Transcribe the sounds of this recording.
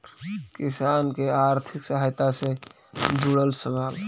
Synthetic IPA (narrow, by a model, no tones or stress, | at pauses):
kisankeaɾt̪ʰiksəɦajt̪asẽ | d͡ʒuɽəlsəbal